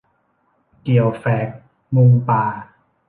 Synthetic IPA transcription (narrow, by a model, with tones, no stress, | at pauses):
ki˨˩əwfɛː˨˦k̚ | mu˧ŋpaː˨˩